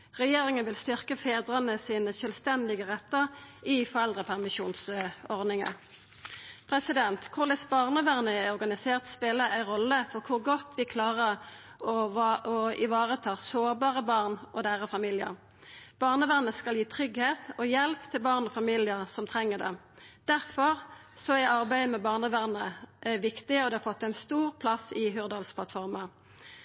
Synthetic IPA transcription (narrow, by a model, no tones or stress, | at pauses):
ʁɛjeːʁɪŋənʋɪlst̪ʏʁkəfeːd̪ʁənəsiːnəʃœːlst̪ɛnd̪ɪɡəʁɛt̪ːəʁɪfɔʁɛld̪ʁəpʰæʁmɪʃuːnsɔʁd̪nɪŋə̰ | pʰʁɛsɪd̪ɛnt̪kʰʊʁlɛsbɑːʁnəʋæʁnəæɔʁɡɑnɪseːʁt̪speːləʔæɪʁɔlːəfɔʁkʰʊʁɡɔt̪ʋɪkʰlɑːʁəʁ | ɔɑɔɪʋɑːʁət̪ʰɑːsoːʁbɑːʁəbɑːʁnʔɔd̪eːʁəfɑmiːlɪə̰ʁ | b̥ɑːʁnəʋæːʁnəskɑljiːt̪ʰʁʏɡheːt̪ɔjɛlpt̪ʰɪlbɑːʁnɔfɑmiːlɪəʁsɔmt̪ʰʁɛŋːəd̪ɛ̰ | d̪̥æʁfɔʁ | sɔæɑʁbæɪd̪əmɛbɑːʁnəʋæːʁnəʋɪkt̪ɪəɔd̪ɛhɑfɔt̪ːæɪnst̪uːʁpʰlɑsɪɦʉːʁd̪ɑːlspʰlɑt̪fɔʁmɑ